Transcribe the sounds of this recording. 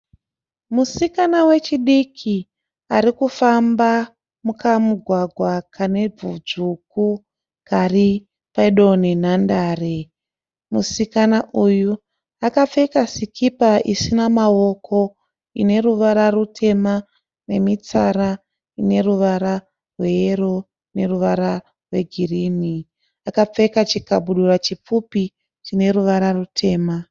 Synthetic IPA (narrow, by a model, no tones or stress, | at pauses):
musikanawe̞t͡ʃiɗikʰi | aɾikufamba | mukamuɡʱwaɡʱwakʰane̞b͡vud͡zuku | kari | paiɗonenandaːre | musikanaʔuju | akap͡fekasikʰipaʔisinamawo̞kʰo̞ | ḭne̞ɾuʋaɾarutʰe̞ma | ne̞mit͡saɾa | ine̞ruʋaɾa | rwe̞eɾo | ne̞ruʋaɾa | rwe̞ɡʱiriːni | akap͡fe̞kat͡ʃikabʱuɗurat͡ʃip͡fupi | t͡ʃine̞ruʋaɾarutʰe̞ːma